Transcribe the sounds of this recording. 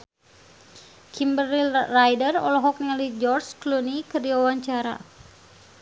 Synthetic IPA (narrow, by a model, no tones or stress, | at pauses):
kʰimbərilːajdərɔ̰lɔɦɔk̚nialid͡ʒɔrsklunikərdiwawaɲt͡ʃaɾa̰